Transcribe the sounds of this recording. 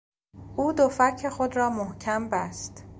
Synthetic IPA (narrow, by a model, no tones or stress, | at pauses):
ʔuːd̪ofæcʰːe̞xod̪ɾɒːmohcʰæmbæst̪